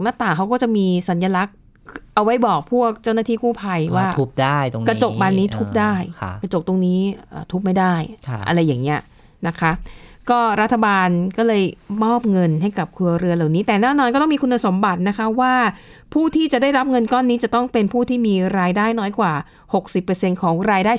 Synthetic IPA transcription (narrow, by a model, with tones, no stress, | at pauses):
ŋnaː˥˩t̪aː˨˩ŋkʰa˦wkɔː˥˩t͡ɕa˨˩miː˧sa˩˦njaː˧la˦˥k̚ | ʔa˧wa˦˥jbɔː˨˩k̚pʰuː˥˩ək̚t͡ɕa˥˩wnaː˥˩iː˥˩kuː˥˩pʰa˧jwaː˥˩u˦˥p̚da˥˩jkɾa˧t͡ɕo˨˩k̚baː˧nːiː˦˥t̪ʰu˦˥p̚daː˥˩jʰka˧t͡ɕo˨˩k̚t̪o˧ŋniː˦˥ʔə̰ː˨˩t̪ʰu˦˥p̚ma˥˩jdaː˥˩jʰa̰˧ɾa˧jːaː˨˩ŋːni˦˥ɐ | na˦˥kʰa˦˥kɔː˥˩ɾa˦˥t̪ʰːa˧baː˧nkɔː˥˩lɤː˧jmɔː˥˩p̚ŋɤ˧nɦa˥˩jka˨˩p̚kʰlu˧ɐɾɯ˧ɐlaː˨˩wniː˦˥t̪ɛː˨˩nɛː˥˩nɔː˧nkɔː˥˩˥mi˧kʰu˧nːa˧so˩˦mba˨˩t̪̚na˦˥kʰa˦˥waː˥˩ | pʰuː˥˩t̪ʰiː˥˩t͡ɕa˨˩daː˥˩jɾa˦˥p̚ŋɤ˧nkɔː˥˩nːiː˦˥t͡ɕa˨˩t̪ɔ˥˩ŋpe˧npʰuː˥˩t̪ʰiː˥˩miː˧ɾaː˧jdaː˥˩jnɔː˦˥jkwaː˨˩ | ho˨˩k̚si˨˩pːɤː˧se˧nkʰɔː˩˦ŋɾaː˧jdaː˥˩j